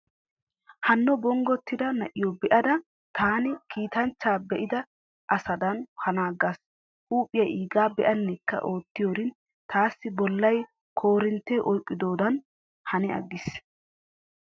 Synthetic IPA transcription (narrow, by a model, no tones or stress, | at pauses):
hɐnːɔbɔŋɡɔt̪ːɪd̪ɐnɐʔɪjɔbɛʔɐd̪ɐ | t̪ʰaːnɪkʰiːt̪ɐnt͡ʃːaːbɛʔɪd̪ɐ | ʔɐsɐd̪ɐnhɐnaːɡas | ʔuːpʼːɪjɐiːɡaːbɛʔɐnːɛkːɐ̰ʔo̞ːt̪ːɪjoːɾɪn | t̪aːsːɪbɔlːɐj | kʰo̞ːɾɪnt̪ːɛʔɔjkʼːɪd̪o̞ːd̪ɐn | hɐnɪɐ̰ɡːɪs